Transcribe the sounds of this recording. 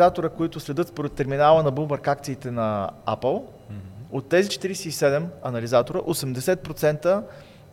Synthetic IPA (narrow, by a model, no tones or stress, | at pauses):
at̪oɾəkoit̪ʊslɛd̪ɤt̪spoɾɛt̪ːɛɾminalˠənɐbumbəɾkakt̪siːt̪ɛnɐa̰pəlˠ | ot̪ːɛzit͡ʃɛ̥t̪iɾɛsɛisɛd̪ɛmɐnɐlizat̪oɾəʔosɛmd̪ɛsɛt̪̚pɾot̪sɛnt̪ə